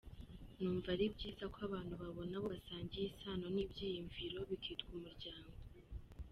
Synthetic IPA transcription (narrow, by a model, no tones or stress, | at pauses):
nuːɱvaɾibɟiːzakoaβaːn̥huβaβo̞naβo̞βasaːɲɟijisaːno̞nibɟiːjiɱviɾo̞βikʰiːtɡumuɾɟaːŋɡo̞